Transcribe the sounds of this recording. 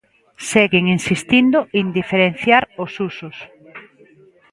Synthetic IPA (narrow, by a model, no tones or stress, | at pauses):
seɣɪŋinsist̪ind̪oʔind̪ifeɾenθjaɾosusos